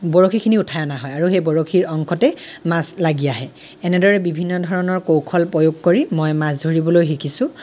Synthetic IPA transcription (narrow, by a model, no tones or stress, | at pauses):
bɔɹokʰikʰiniutʰajɔnaɦɔjaɹuxejbɔɹoxʰiɹɔŋkʰɔtɛmaslaɡijaɦɛ | ɛnɛdɔɹɛbibʱinːɔdʱɔɹɔnɔɹkowkʰɔlpɹojoɡkoɹimɔjmasdʱoɹibɔlojxikʰisʊ̃